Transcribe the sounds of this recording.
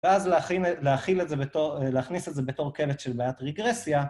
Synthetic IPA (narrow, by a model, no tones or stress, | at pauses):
veazlileaχilezebetoleaχnisetzebeto̞ʁkeletʃelbaːjatʁeɡʁesja